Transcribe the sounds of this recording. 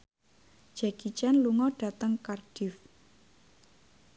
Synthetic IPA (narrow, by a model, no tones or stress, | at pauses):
d͡ʒ̥akit͡ʃanluŋɔɖ̥ä̤t̪əŋkarɖ̥ɪf